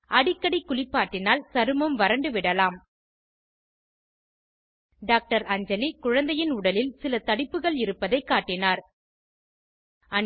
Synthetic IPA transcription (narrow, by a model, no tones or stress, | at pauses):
ʔɐɽɪkːɐɽikːʊɭɪpːaːʈːɪnaːlsɐɾɯmɯmʋɐɾɐɳɖɯʋɪɽɐlaːm | ɖaːk̚ʈɐɾɐɲd͡ʒɐlikʊɻɐnd̪ɐjɪnʊɽɐlɪlsɪlɐt̪ɐɽɪpːɯɣɐɭɪɾɯpːɐðɐɪkːaːʈːɪnaːɾ | ɐ